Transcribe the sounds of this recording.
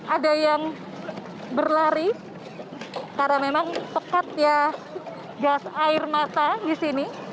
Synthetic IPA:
ʔadajaŋ | bərlaɾi | karnamemaŋpəkat̪̚ja | ɡasaɪrmat̪adisini

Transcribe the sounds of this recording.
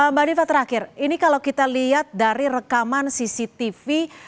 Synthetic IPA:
əmbadifat̪əɾakɪrinikalawkit̪aliɦat̪̚daɾirəkamansisit̪ifi

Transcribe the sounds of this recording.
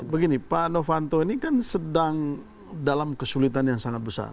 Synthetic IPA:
bəɡinipanofant̪oinikansədaŋ | dalamkəsulit̪anjaŋsaŋat̪̚bəsa̰r

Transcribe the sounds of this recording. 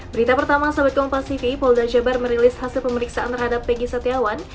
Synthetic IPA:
bəɾit̪apərt̪amasabat̪̚kɔŋpasifipɔldad͡ʒabarməɾilɪshasɪlpəməɾiksaʔant̪ərhadapːɛɡisat̪iawan

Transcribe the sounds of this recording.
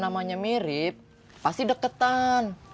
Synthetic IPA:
namaɲamiɾɪp̚ | past̪idəkət̪an

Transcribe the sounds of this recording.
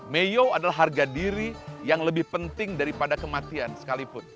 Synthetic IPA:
mejoadalaɦːarɡadiɾijaŋləbɪhpənt̪ɪŋdaɾipadakəmat̪iansə̥kalipʊn

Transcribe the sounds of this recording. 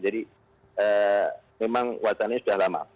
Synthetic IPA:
d͡ʒadi | əmemaŋwat͡ʃanasudahlama̰

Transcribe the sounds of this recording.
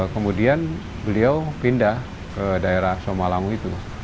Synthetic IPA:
kəmudian | bəliawpindah | kədaeɾahsomalaŋuit̪u

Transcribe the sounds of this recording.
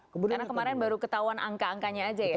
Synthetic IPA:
kəmudanakəmaɾɛnbaɾukət̪auanʔaŋkaːŋkaɲaːd͡ʒaja

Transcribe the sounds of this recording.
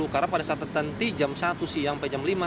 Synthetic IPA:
ukaɾapadasat̪ət̪ənt̪id͡ʒamsat̪usihjaŋpɛd͡ʒamlima

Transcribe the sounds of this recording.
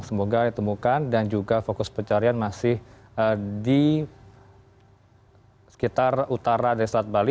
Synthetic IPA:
səmoɡadit̪əmukandand͡ʒuɡafokʊspərt͡ʃaɾianmasɪh | ədi | sə̥kit̪arut̪aɾadaɾislat̪̚bali

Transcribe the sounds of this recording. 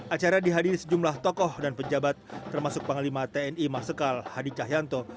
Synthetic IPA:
ʔat͡ʃaɾadiɦadiɾisəd͡ʒumlaht̪ɔkɔhdanpəd͡ʒabat̪̚ːərmasʊk̚pəŋalimat̪eɛnimasəkalhadit͡ʃaɦjant̪ɔ

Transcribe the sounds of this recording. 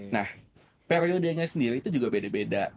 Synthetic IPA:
nah | peɾeodeɲasəndiɾiːt̪ud͡ʒuɡabedabeda

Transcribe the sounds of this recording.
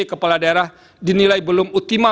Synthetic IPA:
ekəpaladaeɾah | dinilajbəlʊmut̪ima

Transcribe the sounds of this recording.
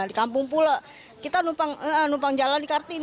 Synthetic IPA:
dikampʊŋpula | kit̪anupaŋəʔənupaŋd͡ʒalandikart̪in

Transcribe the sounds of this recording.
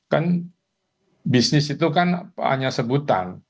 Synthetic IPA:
kan | bisnɪsit̪ukana̰ɲasəbut̪a̰n

